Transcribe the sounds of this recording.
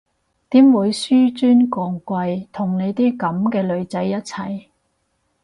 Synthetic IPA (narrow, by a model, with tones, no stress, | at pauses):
t̪iː˨˥mwuː˨˧jsyː˥t͡ʃyː˥nkɔː˧ŋkʷɐ˧jt̪ʰʊ˨˩ŋne˨˧jt̪iː˥kɐ˨˥mkɛː˧lɵ˨˧ɥt͡sɐ˨˥jːɐ˥t̚t͡sʰɐ˨˩j